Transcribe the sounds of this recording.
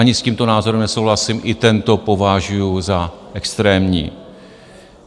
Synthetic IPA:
aɲɪsciːmt̪o̞naːzoɾɛmnɛso̞wɦlasɪmʔɪt̪ɛnt̪o̞po̞vaʒujuzaʔɛkst̪ɾɛːmɲḭː

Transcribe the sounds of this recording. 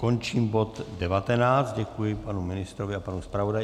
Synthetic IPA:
ko̞nt͡ʃiːmbo̞t̪dɛvat̪ɛnaːt͡st̪ɟɛkujɪpanumɪnɪst̪ɾovɪapanuspɾavo̞da

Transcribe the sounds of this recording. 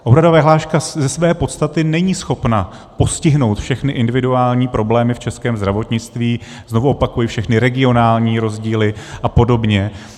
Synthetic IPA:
ʔoɦɾadovɛɦlaːʃkazɛsvɛːpo̞t̪st̪at̪ɪnɛɲiːsxo̞pna | po̞scɪɦno̞wt̪fʃɛxnɪʔɪndɪvɪduaːlɲiːpɾʔo̞blɛːmɪft͡ʃɛskɛːmzd̪ɾavo̞t̪ɲɪt͡st̪viː | zno̞vuo̞pakujifʃɛxnɪɾɛɡɪo̞naːlɲiːɾo̞zɟiːlɪʔapo̞do̞bɲɛ

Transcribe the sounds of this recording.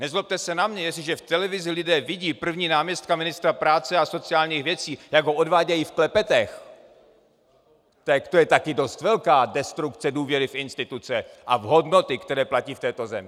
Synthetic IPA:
nɛzlop̚t̪ɛsɛnamɲɛjɛsɪʒɛft̪ɛlɛvɪzɪlɪdɛːvɪɟiːpr̩vɲiːnaːmɲɛst̪̚kamɪnɪst̪ɾapɾaːt͡sɛaso̞t͡sɪaːlɲiːxvjɛt͡siːjaɡɦoʔo̞dvaːɟɛjiːfklɛpɛt̪ɛx | t̪ɛkt̪ojɛt̪akɪdo̞st̪vɛlkaːdɛst̪ɾukt͡sɛduːvjɛɾɪfʔɪnst̪ɪt̪ut͡sɛʔavɦo̞dno̞t̪ɪkt̪ɛɾɛːplaciːft̪ɛːt̪o̞zɛ̰mɪ

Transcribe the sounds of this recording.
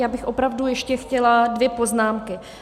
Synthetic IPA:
jaːbɪxʔo̞pɾavdujɛʃcɛxcɛladvjɛpo̞znaːmkɪ

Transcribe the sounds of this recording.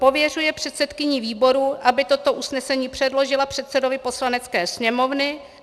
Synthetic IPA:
po̞vjɛr̝ujɛpr̝̥ɛt̪sɛt̪kɪɲiviːbo̞ɾuʔabɪt̪o̞t̪o̞ʔusnɛsɛɲiːpr̝̥ɛdlo̞ʒɪlapr̥ɛt̪sɛdo̞vɪpo̞slanɛt͡skɛːsɲɛmo̞vnɪ

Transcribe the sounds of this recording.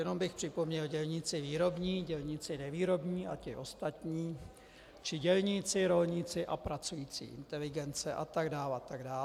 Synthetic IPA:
jɛno̞mbɪxpr̥ɪpo̞mɲɛlɟɛlɲɪt͡sɪviːɾo̞bɲiːɟɛlɲɪt͡sɪnɛviːɾo̞bɲiːʔacɪʔo̞st̪at̪ɲiː | t͡ʃɪɟɛlɲɪt͡sɪɾo̞lɲɪt͡sɪʔapɾat͡sujiːt͡sḭːʔɪ̰nt̪ɛlɪɡɛnt͡sɛʔa̰t̪aɡdaːlat̪aɡdaː

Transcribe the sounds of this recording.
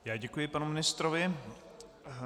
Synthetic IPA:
jaːɟɛkujɪpanumɪnɪst̪ɾovɪ

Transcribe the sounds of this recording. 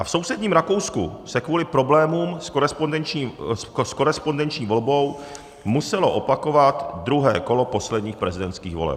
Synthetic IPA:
ʔafso̞wsɛdɲiːmɾako̞wskṵsɛkvuːlɪpɾo̞blɛːmuːmskoɾɛspondɛnt͡ʃː | sko̞ɾɛspo̞ndɛnt͡ʃɲiːvo̞lbo̞w | musɛlo̞ʔo̞pakovat̪d̪ɾuɦɛ̰ːko̞lo̞po̞slɛdɲiːxpɾɛzɪdɛnt̪skiːɣvo̞̰lɛ̰p̚

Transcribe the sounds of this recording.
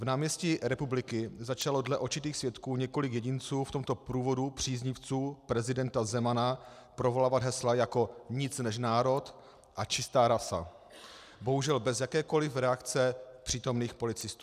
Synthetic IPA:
vnaːmɲɛscɪɾɛpublɪkɪzat͡ʃalo̞dlɛʔoɾt͡ʃɪt̪iːxsvjɛt̪kuːɲɛko̞lɪkjɛɟɪnt͡suːft̪o̞mt̪o̞pɾuːvo̞dupr̝̥iːzɲɪft͡suːpɾɛzɪdɛnt̪azɛmana | pɾovo̞laːvad̪ɦɛslajako̞ɲɪt͡snɛʃ̬naːɾo̞t̪ | ʔat͡ʃɪst̪aːɾasa̰ | bo̞ɦuʒɛlbɛzjakɛːko̞lɪfɾɛakt͡sɛpr̥iːt̪o̞mniːxpo̞lɪt͡sɪst̪u

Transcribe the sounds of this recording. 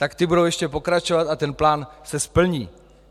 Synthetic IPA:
t̪akt̪ɪbudowjɛʃcɛpo̞kɾat͡ʃo̞vat̪at̪ɛnplaːnsɛspl̩ɲiː

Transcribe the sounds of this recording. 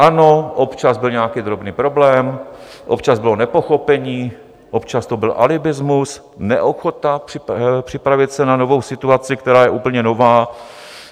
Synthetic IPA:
ʔano̞ʔopt͡ʃazbɪlɲɛakiːd̪ɾobniːpɾo̞blɛːm | ʔopt͡ʃazbɪlonɛpo̞xo̞pɛɲiː | ʔopt͡ʃast̪obɪlʔa̰lɪbɪzmus | nɛ̰ʔoxot̪aprɪpr̥ɪpɾavɪt̪sɛnano̞vo̞wsɪt̪uat͡sɪkt̪ɛɾaːjɛʔuːpl̩ɲɛnovaː

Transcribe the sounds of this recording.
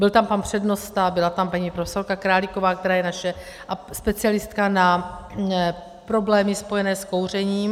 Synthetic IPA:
bɪlt̪ampanpr̝̥ɛdno̞st̪abɪlat̪ampaɲiːpɾofɛso̞ɾkakɾaːliko̞vaːk̚t̪ɛɾaːjɛnaʃɛ | ʔaspɛt͡sɪalɪst̪kana | pɾo̞blɛːmɪspo̞jɛnɛːsko̞wr̝ɛɲiːm

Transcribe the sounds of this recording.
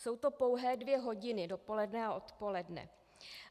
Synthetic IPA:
so̞wt̪o̞po̞wɦɛːdvjɛɦo̞ɟɪnɪdo̞po̞lɛdnɛaʔo̞t̪po̞lɛdnɛ̰

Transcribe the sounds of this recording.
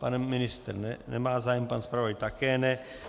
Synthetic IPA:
panminist̪ɛɾnɛnɛ̰maːzajɛmpanspɾaʋojt̪akɛnɛ

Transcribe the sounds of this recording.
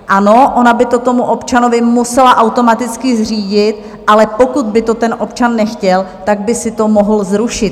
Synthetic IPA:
ʔano̞ʔonabɪt̪o̞t̪omuʔo̞pt͡ʃano̞vɪmusɛlaʔawt̪o̞mat̪ɪt͡skɪzr̝iːɟɪt̪ | ʔalɛpo̞kud̪̚bɪt̪o̞t̪ɛnʔo̞pt͡ʃanːɛxcɛlt̪aɡ̚bɪsɪt̪o̞moɦl̩zɾuʃɪt̪

